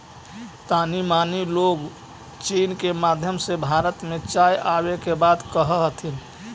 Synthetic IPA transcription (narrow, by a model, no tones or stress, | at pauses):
t̪animaniloɡ | t͡ʃinkemad̪ʱjəmsebʱaɾət̪mẽt͡ʃajʔabekebad̪kəɦəɦət̪ʰin